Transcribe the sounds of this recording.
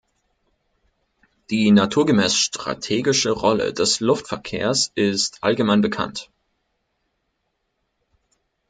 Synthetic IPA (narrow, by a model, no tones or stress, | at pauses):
d̥iːnatʰuːɐɡəmɛːsʃtʁ̥a̰tʰeːɡɪʃəʁɔlə̰dɛslʊftfɛɐkʰḛːɐsʔɪstʔa̰lɡəmaɪnbəkʰa̰nt